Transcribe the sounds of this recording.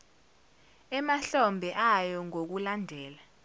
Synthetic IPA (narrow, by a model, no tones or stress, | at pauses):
ɛmaɬɔmbʱɛʔajɔŋok̬ulandʱɛːla